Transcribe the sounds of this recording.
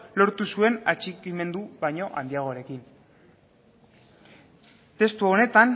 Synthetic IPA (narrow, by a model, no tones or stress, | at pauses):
lo̞ɾt̪usue̞nat͡ʃikime̞nd̪uβajɲo̞ʔand̪iaɣ̞o̞aɾe̞kin | t̪e̞st̪uo̞ne̞t̪an